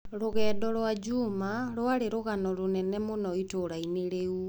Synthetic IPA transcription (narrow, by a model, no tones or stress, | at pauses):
ɾoɣɛːdɔɾwad͡ʑumaɾwaɾeɾoɣanɔɾonɛnɛmonɔitoːɾaineɾeu